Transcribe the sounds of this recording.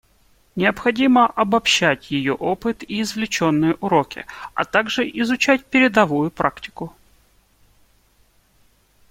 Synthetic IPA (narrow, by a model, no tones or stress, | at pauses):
nʲɪəpxɐdʲiməʔɐbɐpɕːætʲjɪjo̞ʔopɨt̪iːzvlʲɪt͡ɕo̞nːɨjəʔʊɾo̞kʲɪ̰ɐ̰t̪aɡʐɨʔɪzʊt͡ɕætʲpʲɪɾʲɪd̪ɐvujʊpɾʔaktʲɪ̥kʊ